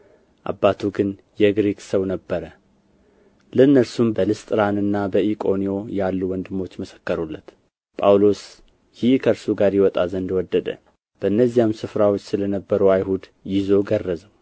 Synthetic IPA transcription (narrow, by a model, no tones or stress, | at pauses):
ʔa̰bːat̪ʰuɡɨn | jɛɡɾekʼsəwnəbːəɾə | ləɨnːəɾsumbəlɨst̪ʼɨɾanɨnːabəikʼo̞nijo̞jalːuwɔnd̪ɨmːo̞t͡ʃːməsə̥kːəɾulːət̪ | pʼawlo̞s | jɪhkʰəɾsuɡaɾjɛwɔt̪ʼazənd̪wɔd̪ːəd̪ə̰ | b̥əɨnːəzːijamsɨfɾawot͡ʃːsɨlənəbːəɾəwajɦud̪jɪzo̞ɡərːəzəw